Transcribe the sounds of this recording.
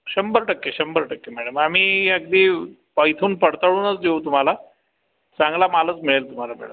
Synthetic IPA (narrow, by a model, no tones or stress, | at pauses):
ɕəmbəɾʈəkːeɕəmbəɾʈəkːemæɽəmam̤iːəɡ̚d̪ʱiː | pəjt̪ʰuːnpəɽt̪əɭuːnət͡sd̪eut̪um̤ala | t͡saŋɡlamalət͡smiɭelt̪um̤alamɛ̰ɭəm